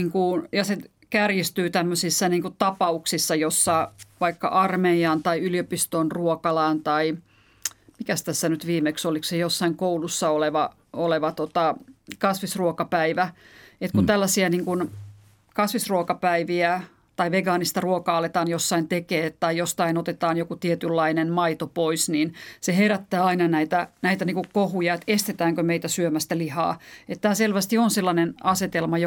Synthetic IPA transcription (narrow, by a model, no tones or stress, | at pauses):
iŋkunjɑse | kærjist̪yːt̪æmːøsisːɑniːŋkutt̪ɑpɑuksisːɑjosːɑʋɑikːɑ̰ʔɑrmeiɑːnt̪ɑiylijopist̪onruokɑlɑːnt̪ɑi | mikæst̪æsːænyt̪ʋiːmeksoliksejosːɑiŋkoulusːɑoleʋɑ | oleʋɑt̪ot̪ɑkɑsʋisruokɑpæiʋæet̪kunt̪ælːæsiæniːŋkun | kɑsʋisruokɑpæiʋiæ | t̪ɑiʋeɡɑːnist̪ɑruokɑɑlːet̪ɑːnjosːɑint̪ekeːt̪t̪ːɑijjost̪ɑinot̪et̪ɑːnjokut̪iet̪ylːɑinenmɑit̪opoisniːnseheræt̪ːæːɑinɑnæit̪ænæit̪æniːŋkukkohujɑet̪est̪et̪æːŋkømeit̪æsyømæst̪ælihɑ̰ːet̪t̪æːselʋæst̪ionselːɑnenɑset̪elmɑjo